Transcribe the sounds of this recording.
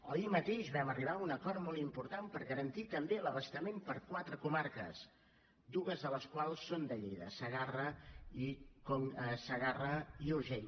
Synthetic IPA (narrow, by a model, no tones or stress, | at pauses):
ə̰imət̪eʒβɛməriβ̞aunəkɔɾt̪mɔlˠt̪impuɾt̪ampəɾɣəɾənt̪it̪əmbeləβəst̪əmempəɾkwat̪ɾəkumaɾkə̰z | d̪uɣəzðələskwalˠsːond̪əʎejðə̰səɣarəikosəɣarəiuʒɛɲ